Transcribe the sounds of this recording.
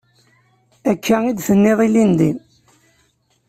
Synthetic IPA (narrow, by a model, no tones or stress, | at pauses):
ækʰːæid̪θənːeðˤilind̪in